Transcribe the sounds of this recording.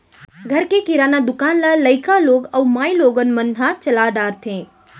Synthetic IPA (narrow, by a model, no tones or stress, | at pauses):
ɡʱəɾkekɪɾanad̪ʊkaːnlaləɪkaloːɡəumaːiloːɡənmənɦat͡ʃəlaɖaːɾt̪ʰẽː